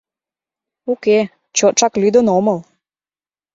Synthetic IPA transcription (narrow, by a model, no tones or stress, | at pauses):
uke | t͡ɕot͡ʃɑklyd̪ənoməl